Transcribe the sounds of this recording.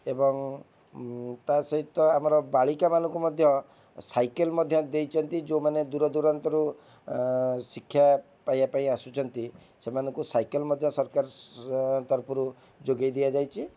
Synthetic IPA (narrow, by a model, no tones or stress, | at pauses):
ebɔŋ | t̪asɔɦit̪ɔamɔɾɔbaɭikamanɔŋkumɔd̪ʱjɔ | sajkelmɔd̪ʱjɔd̪ejt͡ʃʰɔnt̪id͡ʒomaned̪uɾɔd̪uɾɔnt̪ɔɾu | sikʰːja | pajapaĩasut͡ʃʰɔnt̪i | semanɔŋkusajkɔlmɔd̪ʱjɔsɔɾkaɾɔ | t̪ɔɾpuɾu | d͡ʒoɡajd̪iad͡ʒajt͡ʃʰi